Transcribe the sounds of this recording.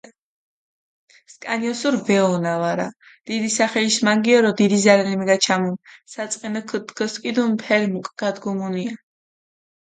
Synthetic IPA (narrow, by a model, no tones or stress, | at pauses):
skʼa̰niɔsuɾvɛɔnavaɾa̰ | d̪̥id̪isaχɛlismaŋɡiɔɾɔd̪id̪izaɾɛnɛmɛɡat͡ʃʰamunsat̪sʼqʼɛnɔkʰt̪kʰɔskʼid̪ɔnpʰɛɾmukʼɡ̥ad̪ɡɔmunia